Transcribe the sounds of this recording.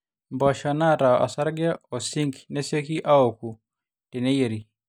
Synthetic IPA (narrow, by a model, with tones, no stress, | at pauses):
mbɔ˨ʃɔ˨na˦ɾa˨ʔa̰˨sa˦ɾɡa˦ɔ˨si˦ŋɡnɛ˦se˦ki˦ʔa˦o˨ku˨ | tɛ˨nɛ˦je˨ɾi˨